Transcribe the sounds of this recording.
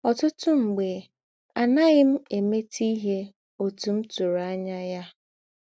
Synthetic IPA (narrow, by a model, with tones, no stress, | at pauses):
ɔ˨tʊ˦tʊ˦ŋ͡m̩˨ɡ͡be˨ | a˨na˦ɣɪ˦m̩˦e˨me˦tʰi˦ɦe˦ | o˨tu˨m̩˦tu˨ɾa˦ɲa˦ja˦